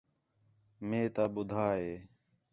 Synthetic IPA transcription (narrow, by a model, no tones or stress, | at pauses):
mẽːt̪aːɓʊd̪ʱaːɦeː